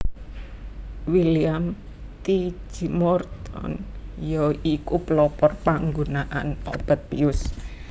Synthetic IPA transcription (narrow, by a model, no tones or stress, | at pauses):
wiliam | t̪i̥d͡ʒ̥imɔrt̪ɔ̰njɔikuplɔpɔrpaŋɡunaʔanob̥ət̪̚piʊs